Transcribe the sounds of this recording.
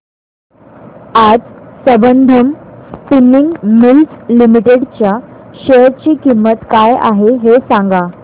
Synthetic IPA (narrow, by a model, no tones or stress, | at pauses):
ad͡zsəbənd̪ʱəmspiniŋɡmilslimiʈeɽt͡ɕjaɕeɾt͡ɕiːkimːət̪kaja̰ɦeɦesãŋɡa